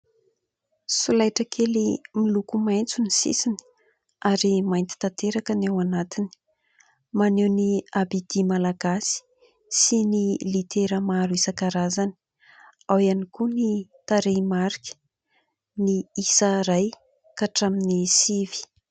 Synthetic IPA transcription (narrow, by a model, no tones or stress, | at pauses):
sulajʈ͡ʂəkʰelimilukumajnt͡sunisḭsini̥ | aɾimajnt̪i̥t̪at̪eɾakənawanat̪ini̥ | manewniabid̪̥imalaɡasi̥ | sinilit̪ʰeɾəmaɾuisəkaɾazani̥ | awjanikunit̪aɾemaɾikʲə̥ | niisəɾaj | kaʈ͡ʂaminisivi̥